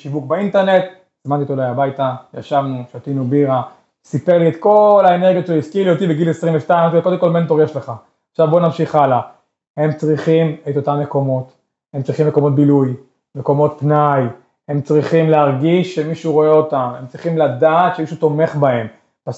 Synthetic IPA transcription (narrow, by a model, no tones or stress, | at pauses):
ʃivuk̚baint̪eʁne̞t̪ | zmant̪itolajabajtaja̰ʃavnuʃot̪inubiʁa | sipeʁliet̪ko̞laene̞ʁɡjot̪ʃeloiskilijot̪ibeɡilesʁimveʃtaimot̪ikod̪emkolme̞nt̪o̞ʁjeʃle̞χa | aχʃavbonamʃiχala | he̞mt͡sʁiχimet̪o̞t̪amːe̞ko̞mo̞t̪ | emt͡sʁiχimekomo̞t̪̚biluj | meko̞mot̪̚pnaj | emt͡sʁiχimleaʁɡiʃːemiʃuʁo̞eo̞t̪amemt͡sʁiχimlad̪aːt̪ʃemiʃut̪o̞me̞χbae̞m | pas